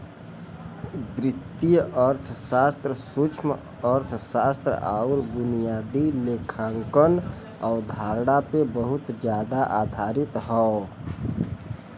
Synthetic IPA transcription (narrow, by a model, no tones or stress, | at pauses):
d̪ɾɪt̪ːijəɾt̪ʰsaːst̪ɾəsut͡ʃʰm | əɾt̪ʰsaːst̪ɾə̰aːʊɾbʊnijaːd̪ileːkʰãːŋkən | ɔːɾd̪ʱaːɾɽapebəɦʊt̪d͡ʒjaːd̪aʔaːd̪ʱaːɾɪt̪ɦɔ